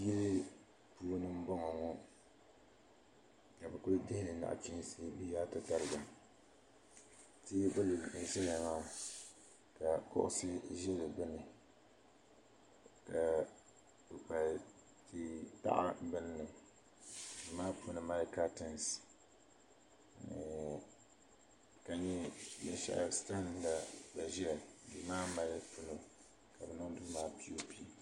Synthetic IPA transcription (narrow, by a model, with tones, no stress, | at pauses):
ji˦ɾɪ˦ | puː˦nɨ˦m̩˦bɔ˦ŋɔ˨ŋɔ˦ | ka˨bɛ˨kʊ˦ɾdɪ˦hɪ˦nɨ˨na̰˨ʔt͡ʃi˦n˦si˦bi˦jaː˦tɨ˨ta˦ɾɨ˦˨ba˨ | ti˦bʊ˦lɪ˨ʃɛ˦la˨maː˦ | ka˨kʊ̰˦ʔʊ̰˦sɨ˦ʒɛ˦lɨ˨bʊ˦nɨ˨ | ka˨ | pɨ˨pa˨ | ti˦ta̰˦ʔa̰˦bɨ˦n˦nɨ˨m | bɨ˨maː˦pʰʊ˦nɨ˨ma˦lɪ˦kaː˦tɛ˨ns | ka˨ɲɛ˦jɛ̰˨ʃa̰˨ʔsta˦n˨da˨ba˨ʒi˦ɛ˨bɨ˨maː˦ma˦lɪ˦pu˦no˨ | ka˨bɛ˨no˦dʊ˦maː˦pi˦o˦pi˦˨